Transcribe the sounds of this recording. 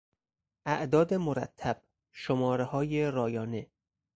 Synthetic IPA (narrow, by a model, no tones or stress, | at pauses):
ʔæʔd̪ɒːd̪emoɾæ̰t̪ʰːæb̥ | ʃomɒːɾehɒːjeɾɒːjɒːne